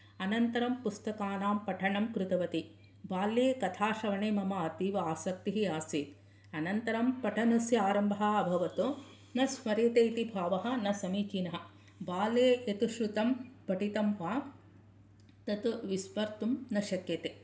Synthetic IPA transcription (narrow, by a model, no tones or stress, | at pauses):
ɐnɐnt̪ɐɾɐmpust̪ɐkaːnaːmpɐʈʰɐɳɐmkɾut̪ɐʋɐt̪i | baːlːeːkɐt̪ʰaːʃɐʋɐɳeːmɐmɐːɐt̪iːʋɐaːsɐk̚t̪iɦiaːsiːt̪ | ɐnɐnt̪ɐɾɐmpɐʈʰɐnɐsjaːɾɐmbʱɐɦɐɐbʱɐʋɐt̪o | nɐsmɐɾjɐt̪eːit̪ibʱaːʋɐɦɐ̆nɐsɐmiːt͡ʃinɐɦɐ̆ | baːleːet̪uʃɾut̪ɐmpɐʈit̪ɐmʋaː | t̪ɐt̪ʋismɐɾt̪umnɐʃɐkjɐt̪eː